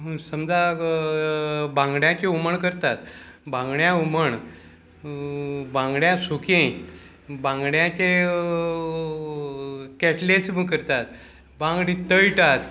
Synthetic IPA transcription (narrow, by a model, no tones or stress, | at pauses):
səmd͡za | bãŋɡɳjãt͡ɕeuməɳkəɾt̪at̪bãŋɡɳjãuməɳ | bãŋɡɽjasukẽ | bãŋɡɳjãt͡ɕe | kɛʈlet͡smkəɾt̪at̪ | bãŋɡɽit̪əjʈat̪